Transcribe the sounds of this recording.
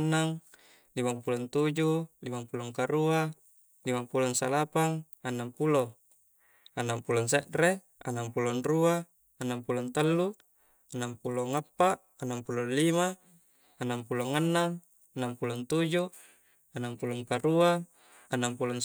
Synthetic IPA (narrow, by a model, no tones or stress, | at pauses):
nːaŋ | limaŋpulont̪ud͡ʒulimaŋpuloŋkaɾua | limampulonsalapaŋ | anːaŋpulo | anːaŋpulons̬eʔɾe | a̰nːaŋpulonruaː | nːaŋpulont̪əlːu | anːaŋpuloŋapːaʔ | anːaŋpulonlimaː | nːaŋpuloŋanːaŋ | anːaŋpulont̪ud͡ʒu | anːaŋpuloŋkaɾuaː | nːaŋpulon